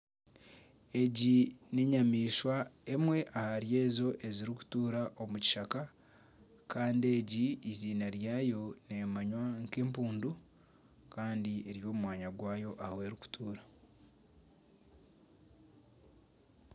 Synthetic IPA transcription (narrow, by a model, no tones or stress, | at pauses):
e̞ɟineɲamiːʃwae̞mwe̞ʔahaɾjeːzo̞ʔeziɾiku̥tuːɾaʔomuci̥ʃaka | kaːndie̞ɟiːziːnaɾjaːjo̞nemaɲwaŋkeːmpuːndu | kaːndieɾijo̞ːmumwaːɲaɡwaːjo̞ʔahowe̞ːɾiku̥tuːɾa